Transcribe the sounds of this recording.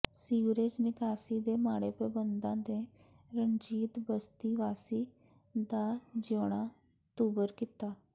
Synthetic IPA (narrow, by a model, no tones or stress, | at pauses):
siːʋɾed͡ʒnɪkaːsid̪emaːɽepɾəbənd̪ãd̪e | ɾənd͡ʒiːt̪bəst̪iʋaːsiː | d̪ad͡ʒoːɽ̃a | t̪uːbəɾkit̪aː